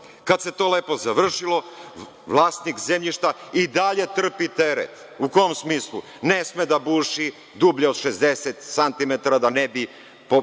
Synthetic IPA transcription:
kad̪se̞t̪o̞ːleːpo̞zaʋr̩ʃilˠo̞ | ʋlˠaːst̪nikzemʎiʃt̪aid̪aʎe̞t̪r̩pit̪eɾḛt̪ | ukojomsmiːslˠṵ | nesmed̪abuːʃi | d̪ubʎeod̪ʃezd̪eset̪sant̪imet̪aɾad̪anebi | po

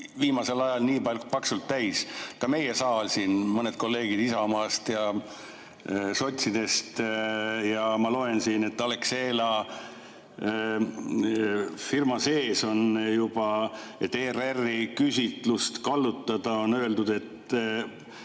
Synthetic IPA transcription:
viːmɑse̞lɑjɑlniːpɑlʲːku̥pɑksult̪ːæjskɑme̞jesɑːlsiːnmɤned̪̥̚ko̞lːe̞ːɡ̥id̪̥isɑmɑːst̪jɑ | so̞t̪ʲsid̪̥e̞st̪jɑmɑlo̞e̞nsiːne̞t̪ːɑlekseːlɑ | firmɑse̞ːso̞njub̥ɑet̪ːererːikysʲit̪ˑlust̪kɑlːut̪ːˑɑd̪̥ɑo̞nø̞eld̪ud̪e̞t̪ː

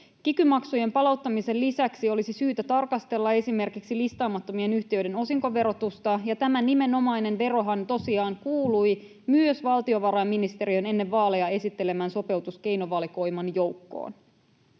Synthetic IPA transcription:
kikymɑksuje̞mpɑlɑuwt̪ːɑmise̞lːisæksio̞lisisyːt̪æt̪ɑrkɑst̪e̞lːɑe̞sime̞rkiksilist̪ɑːmɑt̪ːo̞mie̞nyçt̪iøɥde̞no̞siŋko̞ʋe̞ɾo̞t̪ust̪ɑjɑt̪æmænime̞no̞mɑjne̞nʋe̞ɾo̞ɦɑnt̪o̞siɑːŋkuːluj | myøsʋɑlt̪io̞ʋɑɾɑjmːinist̪e̞ɾiøne̞nːe̞ʋːɑːlejɑe̞sit̪ːe̞le̞mæːnso̞pe̞wt̪uske̞jno̞ʋɑːliko̞jmɑnjo̞wkːo̰ːn

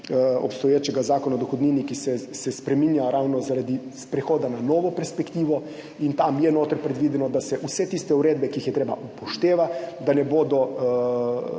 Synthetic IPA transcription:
ɔ̰pst̪ɔjeːt͡ʃɛɡazaːkɔnad̪oxod̪niːnikisɛsɛspɾɛminjaɾawnɔzaɾad̪ispɾɛxoːd̪ananɔːʋɔpɛɾspɛkt̪iːʋɔ | int̪amjɛnoːt̪əɾpɾɛd̪ʋiːd̪ɛnɔd̪asɛʔusɛt̪ist̪ɛuɾeːd̪̚bɛkiixjɛt̪ɾeːba̰ʔupɔʃt̪eːʋad̪anɛboːd̪ɔ

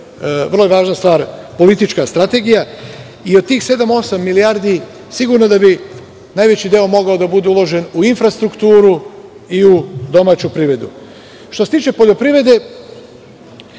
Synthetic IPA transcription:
ʋər̩lˠoe̞ʋaːʒnast̪ʋaːɾpo̞lit̪it͡ʃkast̪ɾat̪e̞ɡija | iod̪̚t̪iːxse̞d̪amo̞samːilijaːɾd̪i | siɡuɾnod̪abi | naːjʋe̞t͡ɕid̪e̞o̞mo̞ɡaod̪abud̪eulˠo̞ʒe̞nuinfɾast̪ɾukt̪uːɾu | iud̪o̞maːt͡ɕupɾiʋɾe̞d̪ṵ | ʃt̪ose̞t̪iːt͡ʃe̞po̞ʎo̞pɾiʋɾe̞d̪e̞

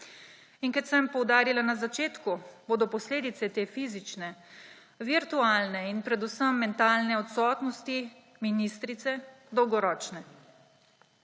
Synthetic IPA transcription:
inkɛt̪sɛmpɔwd̪aːɾilanazat͡ʃeːt̪kuboːd̪ɔpɔsleːd̪it̪sɛt̪eːfiːzit͡ʃnɛ | ʋiɾt̪uaːlnɛinpɾɛd̪usəmːɛnt̪aːlnɛɔt̪sɔt̪nɔst̪i | minist̪ɾit̪sɛd̪ɔwɡɔɾɔːt͡ʃnɛ

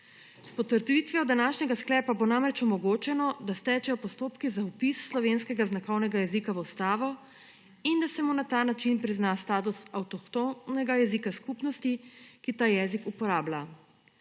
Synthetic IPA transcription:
spɔt̪əɾt̪ʋit̪ʋiɔd̪anaːʃɲɛɡasklɛːpabonamɾɛt͡ʃɔmɔɡoːt͡ʃɛnɔd̪ast̪ɛt͡ʃɛjɔpɔst̪oːpkizaupisːlɔʋenskɛɡaznakɔwnɛɡajɛzikaʋuwst̪aːʋɔ | ind̪asɛmunat̪anat͡ʃinpɾiznast̪aːt̪usawt̪ɔkt̪onɛɡajɛzikaskupnɔst̪ikit̪aːjɛːzikupɔɾaːbla

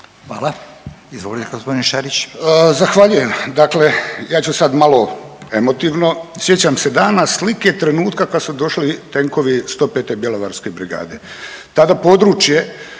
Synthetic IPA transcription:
xʋa̰ːla | izʋolit̪eɡospod̪inʃaɾit͡ɕːzaxʋaʎuje̞md̪akle̞jaːt͡ɕusad̪malo̞e̞mo̞t̪iʋno̞sje̞t͡ɕamse̞d̪aːnaslike̞t̪ɾe̞nuːt̪kakad̪sud̪o̞ʃlit̪e̞ŋko̞ʋist̪o̞ːpet̪e̞bjelˠoʋaɾske̞bɾiɡa̰ːd̪e̞̰ | t̪ad̪apo̞d̪ɾut͡ʃje̞

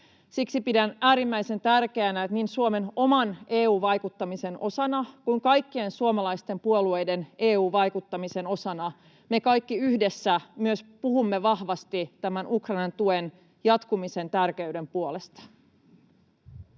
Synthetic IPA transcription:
siksipidænæːɾimːæise̞nt̪ærk̟e̞ænæt̪niːnsuome̞no̞mɑneːuːʋɑjkut̪ːɑmise̞nʔo̞sɑnɑkuiŋkɑjkːie̞nsuomɑlɑjst̪e̞mpuolue̞jde̞nʔeːuːʋɑjkut̪ːɑmise̞no̞sɑnɑ | me̞kɑjkːiyhde̞sːæmyøspuhumːeʋɑhʋɑst̪it̪æmænukrɑinɑnt̪uen | jɑt̪kumise̞nt̪ærk̟eyde̞mpuole̞st̪ɑ̥

